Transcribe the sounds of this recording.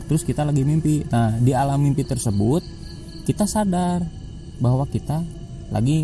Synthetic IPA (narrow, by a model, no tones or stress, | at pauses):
t̪əɾʊskit̪alaɡimimpinahdialamːimpit̪ərsəbʊt̪̚ | kit̪asadar | baɦwakit̪a | lʔa̰ɡi